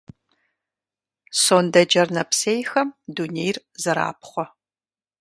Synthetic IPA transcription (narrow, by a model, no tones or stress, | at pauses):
soːndɐd͡ʒɐrnɐpsejxɐmdunejr | zɐɾa̰ːp̚χʷɔ